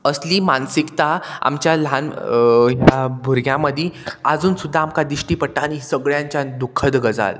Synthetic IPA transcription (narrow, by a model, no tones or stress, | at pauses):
əsliːmansikt̪aa̰mt͡ɕjalanit̪abʱuɾɡjãməd̪ʱiəd͡zuːnsud̪ʱːaːmkad̪iɕʈiːpəɽʈaːɽ̃isəɡɭjãɲt͡ɕjad̪ukʰːəd̪ɡəd͡za̰l